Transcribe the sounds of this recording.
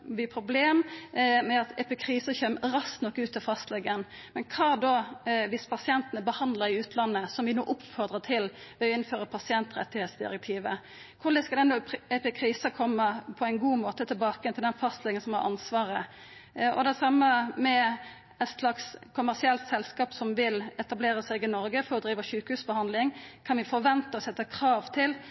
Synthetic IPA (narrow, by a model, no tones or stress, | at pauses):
ʋɪpʰɾʊbleːmmɛɑt̪ɛpɪkʰɾiːsəçœmːɾɑsknɔkːʉːt̪ʰːɪfɑst̪lɛɡən | mɛnkʰɑːd̪ɔʋɪspʰɑsɪɛnt̪ənəbəhɑnd̪ləɾɪʉːt̪ʰlɑnːəsɔmʋɪno̰ːʔʊpfɔɾd̪ʁət̪ʰɪlʋɛɔɪnːføːɾəpʰɑsɪɛnt̪ɾɛ̰t̪ɪheːt̪sd̪ɪ̰ɾɛk̚t̪ʰiːʋə | kʰʊləskɑlɛnd̪ɔɛpɪkʰɾiːsəkʰɔmːəpʰɔæɪnɡuːmoːt̪ət̪ʰɪlbɑːkəjɛnt̪ɪld̪ɛnfɑst̪lɪŋənsɔmhɑ̰ɾʔɑ̰nsʋɑːɾə | ʔɔ̰d̪ɛsɑmːəmɛ | ɛt̪slɑkskʰʊmːæʁsɪɛlt̪sɛlskɑːpsɔmʋɪlɛt̪ɑbleːɾəsæɪɡɪnɔɾɡəfɔɾɔd̪ɾiːʋəʃʉːkəhʉːsbəhɑnd̪lɪŋkʰɑnʋɪfɔʋɛnt̪əɔsɛt̪ːəkʰɾɑːʋt̪ʰɪl